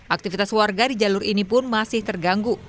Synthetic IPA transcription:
ʔak̚t̪ifit̪aswarɡadid͡ʒalʊɾinipʊnmasɪht̪ərɡaŋɡu

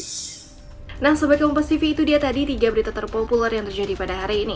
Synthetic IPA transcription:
nahsəbaɡajumpast̪ifiːt̪udiat̪adit̪iɡabəɾit̪at̪ərpopulɛrjaŋt̪ərd͡ʒadipadaɦaɾiːni

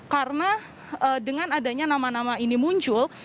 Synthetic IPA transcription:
karəna | ʔədəŋanadaɲanamanamainimuɲt͡ʃʊl

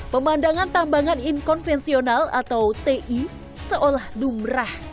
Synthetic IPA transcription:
pəmandaŋant̪ambaŋaninkɔnfɛnsionala̰t̪awt̪eʔi | səʔolahdumɾah

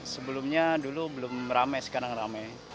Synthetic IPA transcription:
səbəlʊmɲadulubəlʊmramajsə̥kaɾaŋramaj

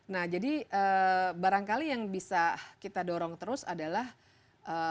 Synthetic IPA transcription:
nahd͡ʒadiəːbaɾaŋkalijaŋbisakit̪adɔɾɔŋt̪əɾʊsa̰dalah | ʔə

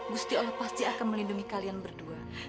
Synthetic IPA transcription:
ɡust̪iolɛhpast̪iakanməlinduŋikalianbərdua

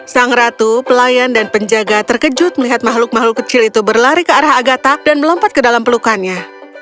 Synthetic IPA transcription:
saŋɾat̪upəlajandanpəɲd͡ʒaɡat̪ərkəd͡ʒʊt̪̚məliɦat̪̚maɦlʊk̚maɦlʊkːət͡ʃɪlit̪ubərlaɾikəaɾahaɡat̪adanməlɔmpat̪̚kədalampəlukanɲa

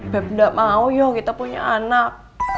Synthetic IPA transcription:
b̥ɛp̚daʔmaujɔhkit̪apuɲa̰anak̚

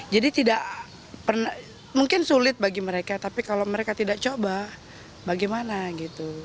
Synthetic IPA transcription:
d͡ʒadit̪idaʔ | pərna | muŋkɪnsulɪt̪̚baɡiməɾekat̪apikaloməɾekat̪idaʔt͡ʃoba | baɡɛjmanaɡit̪u

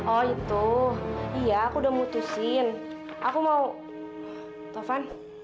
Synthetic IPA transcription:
ɔɡit̪u | ijaːkudahmut̪usɪn | ʔakumau | t̪afan

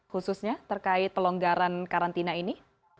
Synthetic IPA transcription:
hususɲat̪ərkaɪt̪ːəlɔŋɡaɾankaɾant̪inaini

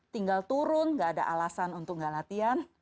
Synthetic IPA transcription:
t̪iŋɡalt̪uɾʊnɡaːda̰ʔalasanunt̪ʊk̚ŋɡalat̪ian

